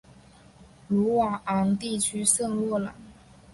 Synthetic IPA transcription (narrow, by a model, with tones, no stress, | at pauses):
ɻu˧˥wa˨˩ʔa˧˥ŋt̪i˥˩t͡ɕʰy˥sɤ˥˧ŋlwɔ˥˩lə̰˩